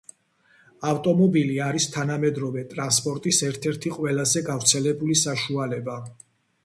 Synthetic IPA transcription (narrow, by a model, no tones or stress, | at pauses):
aft̪ʼɔmɔbiliaɾist̪ʰanamɛd̪ɾɔvɛt̪ʼɾanspʼɔɾt̪ʼisɛɾt̪ʰɛɾt̪ʰiqʼwɛlazɛɡavɾt̪sʰɛlɛbulisaʃualɛba